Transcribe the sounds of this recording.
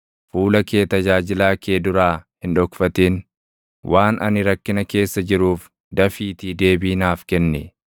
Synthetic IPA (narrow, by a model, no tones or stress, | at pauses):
fuːlɐkeːt̪ɐd͡ʒaːd͡ʒɪlaːkʰeːd̪ʊɾaːhɪnᶑɔkfɐt̪in | wʔaːnʔɐ̰nɪɾɐkːɪnɐke̞ːsːɐd͡ʒɪɾuːf | d̪ɐfiːt̪iːd̪e̞ːbiːnaːfkɛnːɛ̰